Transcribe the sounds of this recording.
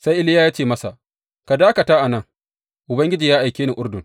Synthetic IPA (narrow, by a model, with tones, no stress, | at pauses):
sa˦jʔɪ˦lɪ˦ja˦jaː˦t͡ʃeː˦˨mɐ˦sa˨ʔ | ka˨daː˦kɐ˨taː˦ʔa˨nɐ˦˨ŋ | ʔʊ˨bɐ˦ŋɡʲɪ˦d͡ʒiː˨jaː˦ʔa˨jkʲeː˦ni˨ʔʊ˦rdʊ˨